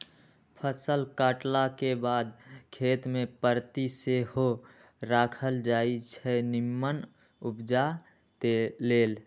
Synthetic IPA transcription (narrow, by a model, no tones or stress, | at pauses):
pʰəsəlkaːʈlakebaːd̪̚kʰeːt̪mẽpəɾt̪iseɦo | ɾakʰəld͡ʒaːit͡ʃʰɛnɪmːən | upd͡ʒa | t̪eːeːl